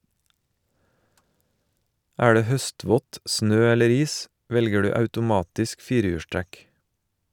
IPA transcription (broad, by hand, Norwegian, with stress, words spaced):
ˈæː ˈdeː ˈhœˌstʋɔt ˈsnøː ˈɛləɾ ˈiːs ˈʋɛlɡə ˈdʉː ɑʉtʊˈmɑːtɪsk ˈfiːɾəˌjʉːʃˌtɾɛk